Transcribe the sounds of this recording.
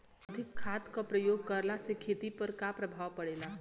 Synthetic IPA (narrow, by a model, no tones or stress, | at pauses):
əd̪ʱɪkʰːaːt̪kapɾəjoːɡ̚kəɾlasekʰeːt̪ipəɾkapɾəbʱaːʋpəɽeːla